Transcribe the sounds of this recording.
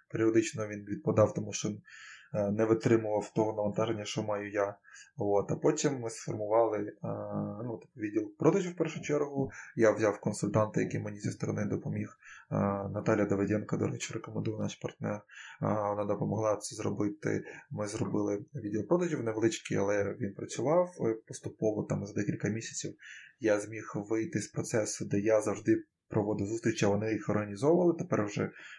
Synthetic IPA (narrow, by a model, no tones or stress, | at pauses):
peɾʲiɔd̪ɪt͡ʃnɔʋʲinʋʲid̪̚pɔd̪ɑwt̪ɔmuʃt͡ʃɔinnɛʋɪt̪ɾɪmʊʋɐwt̪ɔɦɔnɐʋɐnt̪ɑʒenʲːɐʃt͡ʃɔmɑjʊjaʋot̪ɐpɔtʲimːɪsfɔrmʊʋɑlˠɪ | nut̪ɪ̥p̚ʊʋʲidʲilˠpɾɔd̪ɐʒʲiwpɛrʃʊt͡ʃɛrɦʊjawzʲawkɔnsʊlʲt̪ɑnt̪ɪjɐkʲimenʲizist̪ɔɾɔ̰nɪd̪ɔpɔmʲix | nɐt̪ɑlʲjɐd̪ɔʋed̪ʲɛnkɐd̪ɔ̰ɾɛt͡ʃɪrekɔmend̪ujɐnɑʃpɐrt̪nɛrʋɔnɑd̪ɔpɔmɔɦlˠɑt̪sɛzrɔ̰bɪt̪ɪ̰mɪzrɔbɪlˠɪʋʲid̪eɔpɾɔd̪ɐʒʲiwnɛʋlˠɪt͡ʃkḭɐ̰lˠɛʋʲinpɾɐt͡sʲʊʋɑwpɔst̪ʊpɔʋɔt̪ɑmzɐd̪ɛkʲilʲkɐmʲisʲɐ̥t͡sʲiwjazʲmʲixʋɪjt̪ɪspɾɔt̪sɛsʊd̪ɛjazɐwʐd̪ɪ | pɾɔʋɔd̪ɪwzust̪ʲɾʲit͡ʃɐʋɔnɪjixɔrɦɐnʲizɔʋɐlˠɪt̪epɛrwʒɛ